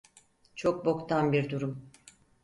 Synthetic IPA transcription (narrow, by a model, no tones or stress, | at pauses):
t͡ʃʰo̞k̚bo̞kt̪ʰanbiɾd̪uɾum